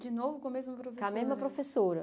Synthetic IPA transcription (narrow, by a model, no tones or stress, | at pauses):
d͡ʒɪnovʊkõɐmezmɐpɾofekamezmɐpɾofesoɾɐ